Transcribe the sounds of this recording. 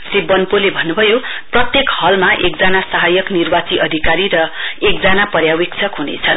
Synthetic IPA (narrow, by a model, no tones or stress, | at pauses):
sribʌnpolebʱʌnːubʱʌjoprʌt̪jekhʌlmaʔek̚d͡zanasaɦʌjʌknirbat͡siʔʌd̪ʱikaɾiɾʌekd͡zanapʌrjawek̚t͡sʰʌkɦunḛt͡sʰʌn